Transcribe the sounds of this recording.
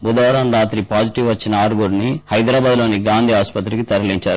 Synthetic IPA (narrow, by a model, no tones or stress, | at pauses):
bud̪ɐʋɾɐmɾaːt̪ɾipaːd͡ʒiʈiʋʋɐt͡ʃːinɐaːɾɡuɾnihɐjd̪ɾaːbaːd̪lo̞ːniɡaːnd̪ʱiːaːspɐt̪ɾikit̪ɐɾɐliɲt͡ʃaːɾu